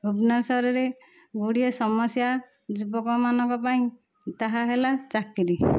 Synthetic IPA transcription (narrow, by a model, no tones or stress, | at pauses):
ubnasɔɾɔɾe | ɡuɽiɔsɔmɔsja | d͡ʒubɔkɔmanɔ̃ŋkɔpaĩ | t̪aɦaɦelat͡ʃakiɾi